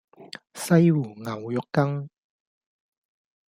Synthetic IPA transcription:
sɐ˥jwuː˨˩ŋa˨˩wjɔ˨kːɐ˥ŋ

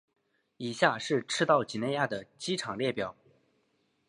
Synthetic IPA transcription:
i˨˩ɕja˥˧ʂɻ̩˥˩ʈ͡ʂʰɻ̩˥t̪ɑ˥˩ʊt͡ɕi˨˩ne˥˧ja˥˩d̪ə˩t͡ɕi˥ʈ͡ʂʰɑ˨˩ŋljɛ˥˩pjɑ˨˩˦ʊ

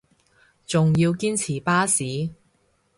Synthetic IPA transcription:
t͡sʊ˨ŋjiː˧wkiː˥nt͡sʰiː˨˩paː˥siː˨˥

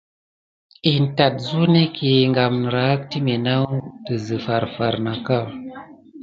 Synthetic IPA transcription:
i˨n̩˨ta˨t̚zu˦ne˦kʰe˨ŋɡa˨mn˨ɾa˨˦k̚ti˦me˨na˦wtə˨zɨ˨fa˨ɾfa˨ɾna˨ka˦˨

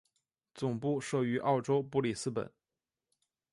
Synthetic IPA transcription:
t͡sʊ˨˩ŋpu˥˧ʂɤ˥˩y˧˥ʔɑ˥˩ʊʈ͡ʂo˥ʊpu˥li˨˩sɹ̩˥pə̰˨˩˦n

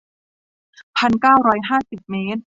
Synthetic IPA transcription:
pʰa˧nkaː˥˩wɾɔː˧˥jɦaː˥˩si˨˩p̚meː˦˥n̚

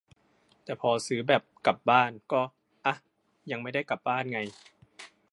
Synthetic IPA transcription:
t̪ɛː˨˩pʰɔː˧sɯː˩˦bɛː˨˩p̚ka˨˩p̚baː˥˩nkɔː˥˩ | ʔa˧ | ja˧ŋma˥˩jda˥˩jka˨˩p̚baː˥˩nŋa˧j

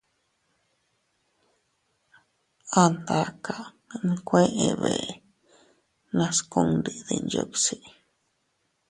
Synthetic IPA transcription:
a˧nd̪a˧ka˨ | nĩ˧kʷẽ˦ʔẽ˧βḛ˨ | nã˧skõ˧ŋɾi˧ðḭ˧nd͡ʒo̰˧ksi˧˨

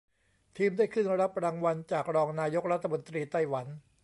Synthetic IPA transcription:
t̪ʰiː˧mdaː˥˩jkʰɯ˥˩nɾa˦˥p̚ɾaː˧ŋwa˧nt͡ɕaː˨˩k̚ɾɔː˧ŋnaː˧jo˦˥k̚ɾa˦˥t̪ʰːa˧mo˧nt̪ɾiː˧t̪a˥˩jwa˩˦n

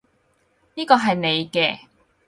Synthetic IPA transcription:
niː˥kɔː˧ɦɐ˨jne˨˧jkɛː˧

